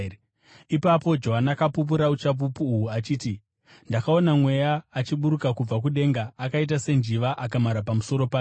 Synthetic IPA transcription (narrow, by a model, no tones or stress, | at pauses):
ipapo̞d͡ʒo̞ɦanakapup̬uɾaut͡ʃap̬upuːwuat͡ʃiːti | ndakao̞namwe̞jaːt͡ʃiɓuɾukakub͡vak̬uɗe̞ŋɡaːkait̬ase̞nd͡ʒiʋaʔakamaɾapamuso̞ɾo̞pa